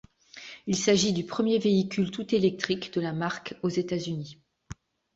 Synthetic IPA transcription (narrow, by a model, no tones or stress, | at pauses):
ilsaʒid̪ypχəmjeveikʲylt̪ut̪elɛk̚t̪χikd̪əlamaʁkozet̪azyni